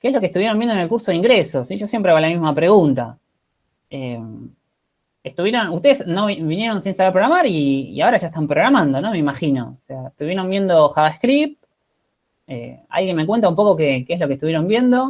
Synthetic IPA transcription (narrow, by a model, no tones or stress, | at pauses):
keslokest̪uβjeɾombjend̪ene̞lkuɾso̞ðeiŋɡɾeso̞ssiʒo̞sjempɾeaβalamizmapɾe̞ɣunt̪a̰ | em | est̪uβje̞ɾo̞nuht̪e̞ðesno̞βinje̞ɾo̞nsinsaβeɾpɾoɾamaɾiḭao̞ɾaʒaet̪ampɾo̞ɣɾamãnd̪o̞no̞me̞imaxino̞̰seaest̪uβje̞ɾo̞mbjend̪o̞xaðaskɾip̚ | ḛa̰lɣjenmekwe̞nt̪aumpoko̞kekeeslokest̪uβjeɾo̞mbje̞nd̪o̞